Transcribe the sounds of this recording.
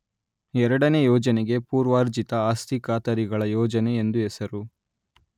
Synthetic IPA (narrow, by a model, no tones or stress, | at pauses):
ɛɾɐɽɐne̞jɔːd͡ʒɐneɡe̞puːɾʋaːɾd͡ʒit̪ɐaːst̪ikaːt̪ɐɾiɡɐɭɐjɔːd͡ʒɐne̞ːnd̪uɛsɐɾu